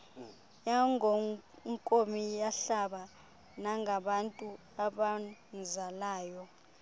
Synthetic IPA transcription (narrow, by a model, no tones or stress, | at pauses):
jaŋɔ | ŋkʼomijaɬaɓa | naŋɡʱaɓantʼu | aɓanzalaːjɔ